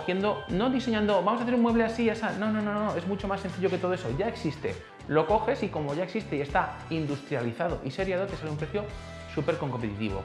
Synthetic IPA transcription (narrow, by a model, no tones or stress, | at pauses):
θje̞nd̪o̞no̞ðise̞ɲãnd̪o̞bamoaθeɾumwe̞βle̞asiʝasano̞no̞nõ̞nonoe̞zmut͡ʃo̞masːe̞nθiʎo̞ket̪oeso̞̰ʝae̞ksist̪e̞̰ | lo̞ko̞xe̞siko̞mo̞ʝaeksist̪eie̞st̪aind̪ust̪ɾjaliθaðo̞̰ʔise̞ɾjaðot̪ealeumpɾe̞θjo̞ | supe̞ɾkoŋkompet̪it̪ḭβo̰